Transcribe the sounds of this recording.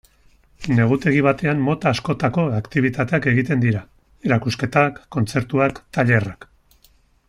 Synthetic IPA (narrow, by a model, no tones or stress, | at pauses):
ne̞ɣ̞ut̪e̞ɣ̞iβ̞at̪e̞ammo̞t̪aːsko̞t̪ako̞akt̪iβ̞it̪at̪e̞ake̞ɣit̪e̞nd̪iɾa | eɾakuske̞t̪akːo̞nt͡se̞ɾt̪uakt̪aʎe̞rak